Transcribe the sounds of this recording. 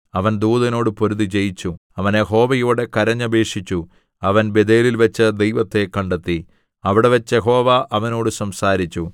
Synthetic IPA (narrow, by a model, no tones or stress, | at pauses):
ɐʋɐnd̪uːðɐno̞ːɽɨpo̞ɾuðit͡ɕe̞jit͡ɕːuɐʋɐnjeɦo̞ːʋɐjoːɽe̞kɐɾɐɲːɐbe̞ːʂit͡ɕːu | ɐʋɐnbe̞d̪eːlilʋɐt͡ɕːɐd̪ejʋɐt̪ːe̞kːɐɳɖet̪ːi | ɐʋiɽe̞ʋɐt͡ɕːjeɦo̞ːʋaʔɐʋɐno̞ːɽɨsɐmsaːɾit͡ɕːu